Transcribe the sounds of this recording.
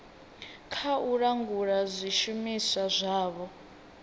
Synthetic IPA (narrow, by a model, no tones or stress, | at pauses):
kʰauɺaŋɡuɺazʷiʃumisazʷaːβɔ